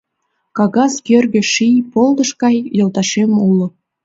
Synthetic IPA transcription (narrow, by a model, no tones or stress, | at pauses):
kɑɣɑskørɣʲĕʃijpolˠd̪ɤ̆ʃkɑjːolˠt̪ɑʃemulˠːŏ